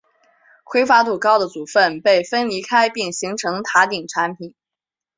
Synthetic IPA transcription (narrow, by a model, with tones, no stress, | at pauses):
kwe˥ɪfa˥t̪u˥˨˩kɑ˥ʊd̪ə˨t͡su˨˩fə˥˧˩npe˥˩ɪfə˥nli˧˥kʰa˥ɪpi˥˩ŋɕi˧˥ŋʈ͡ʂʰɤ˧˥ŋt̪ʰa˧˥t̪i˨˩ŋʈ͡ʂʰa˧˥npʰi˨˩˦n